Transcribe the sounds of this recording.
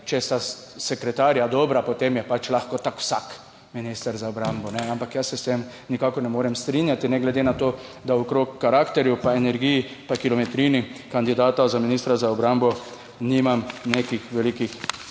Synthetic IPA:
t͡ʃɛst̪asɛkɾɛt̪aːɾjad̪ɔːbɾapɔt̪emjɛpat͡ʃlaxkɔt̪akw̥sak | minist̪əɾzaɔbɾambɔnɛampakjasɛst̪em | nikakɔnɛmoːɾɛmst̪ɾiːnjat̪inɛɡlɛd̪enat̪oː | d̪aokɾoːkːaɾakt̪ɛɾjupaenɛɾɡijipakilɔmɛt̪ɾiːnikand̪id̪aːt̪azaminiːst̪ɾazaɔbɾambɔ | niːmamneːkixʋɛlikix

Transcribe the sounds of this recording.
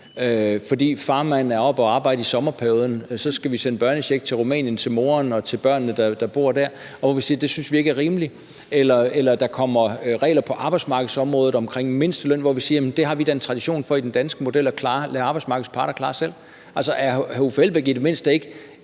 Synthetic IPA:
øfɒ̽d̥ḭːfɑ̈ːmænn̩æɐɒ̽b̥ɒɑ̈ːbɑ̈ɪ̰d̥əisɒ̽mɐpʰæɐjo̝ːðˠn̩sɒ̽sɡ̥æʋisen̰əb̥ɶɐnəɕeɡ̥̚t͡sʰe̝ʁumɛ̰ːnjənt͡sʰe̝lmo̝ːɐnɒ̽t͡sʰe̝lb̥ɶɐ̰nːəd̥ɑd̥ɑ̈b̥o̝̰ɐ̰d̥æɐ | ɒʋɒʋisiːɐd̥e̝synsʋie̝ɡ̥æɐʁiːməli | elɐelɐd̥ɑ̈kʰɒ̽m̰ɐʁɛ̰ːlɐpʰɒ̽ʔɑ̈ːb̥ɑ̈ɪsmɑ̈ːɡ̥ð̩ˠsɒ̽mʁɔ̽ːð̞̩ˠɒ̽mkʰʁeŋ̰me̝n̰sd̥əlœn̰ʋɒʋisiːɐjemnd̥e̝ɦɑ̈ʋid̥æe̝nt͡sʰʁɑ̈d̥iɕo̝̰ːnfɒ̽id̥end̥ænsɡ̥əmo̝d̥el̰ɒkʰlɑːlːɑ̈ːbɑ̈ɪsmɑ̈ːɡ̥ð̩ˠspʰɑ̈ːɾ̥ɐkʰlɑ̈ːsel̰ | ʔæl̰sɒʔæɐhofelb̥eɡ̥id̥e̝me̝n̰sd̥əe̝ɡ̥ə

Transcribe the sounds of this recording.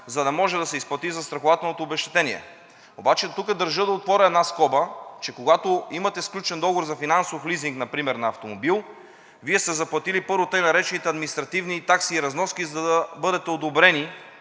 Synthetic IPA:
zɐd̪ɐmɔʒɛd̪ɐsɛisplˠɐt̪izɐst̪ɾɐxovat̪ɛlˠnot̪obɛʃt̪ɛ̥t̪ɛniɛ̰ | obat͡ʃɛt̪ukəd̪əɾʒəd̪ɐot̪pvɔɾəɛd̪naskɔbət͡ʃɛkoɡat̪oimɐt̪ɛsklʲut͡ʃɛnd̪ɔɡovoɾzɐfinansofliziŋknɐpɾimɛɾnɐɐft̪omobilˠ | viɛst̪ɛzɐplˠɐt̪ilipɤɾvot̪ɤjnɐɾɛt͡ʃɛnit̪ɛɐd̪minist̪ɾɐt̪ivnit̪aksiːɾɐznɔskizɐd̪ɐɐbɤd̪ɛt̪ɛod̪obɾɛni

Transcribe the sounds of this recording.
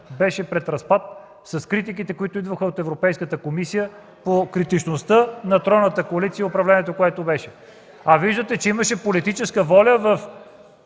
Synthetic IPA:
bɛʃɛpɾɛt̪ɾɐspat̪̚ | sɐskɾit̪̬ik̬it̪ɛkoit̪oid̪vəxəot̪ɛvɾopɛjskət̪əkomisijə | pokɾit̪it͡ʃnost̪ənɐt̪ɾɔnət̪əkoɐlit̪siəʊpɾɐvlɛniɛt̪okoɛt̪obɛʃɛ | ɐviʒd̪ət̪ɛt͡ʃɛiməʃɛpolit̪it͡ʃɛskəvɔlʲəvɐf

